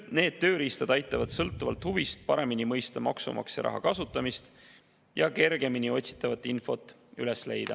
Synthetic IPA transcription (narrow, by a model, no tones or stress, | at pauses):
ne̞ːd̪̥̚t̪ːø̞ːɾiːst̪ɑd̪ɑjt̪ːˑɑvɑd̪̥sɤlt̪ːˑuvɑ̰lt̪huvist̪̚pɑɾe̞minimɤjst̪ɑmɑksṵmʔɑ̰ksjɑ̰ɾɑ̰ɦɑ̰kɑsut̪ːˑɑmist̪ | jɑke̞rɡ̥e̞minio̞t̪ʲsi̥t̪ːˑɑvɑt̪ːˑinfo̞t̪ˑː | yle̞sle̞̰jd̪̥ɑ̰